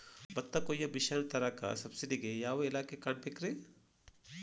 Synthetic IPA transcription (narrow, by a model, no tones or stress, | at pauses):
bɐt̪ːakoːjɐbiʃant̪ɐɾaka̰sɐbsiɖiɡejaːʋoɪlaːkekaːɳ̚pekɾe